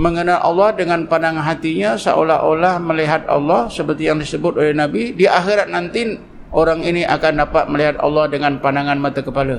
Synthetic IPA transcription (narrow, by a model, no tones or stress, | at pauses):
məŋənalʔɑ̰lːɑhdəŋanpandaŋanɦat̪iɲasa̰ʔo̰laɦʔolahməliɦat̪̚ɑ̰lːɑhsəpərt̪ijaŋdisəbʊt̪̚olɛhnabidiʔaxiɾat̪̚nant̪i | ʔoɾaŋiniʔakandapat̪̚məliɦat̪̚ɑ̰lːɑhdəŋanpandaŋanmat̪akəpala